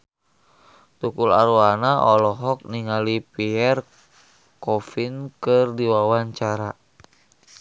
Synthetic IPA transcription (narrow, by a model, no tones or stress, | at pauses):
t̪ukula̰ɾuanaʔɔlɔɦɔk̚niŋalipiɛr | kɔfinkɨrdiwawaɲt͡ʃaɾa